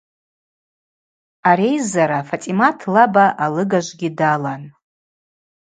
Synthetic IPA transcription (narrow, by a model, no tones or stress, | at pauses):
aɾe̞jzaɾafatʼimatʰlabaʔalɨɡaʒʷɡʲidalan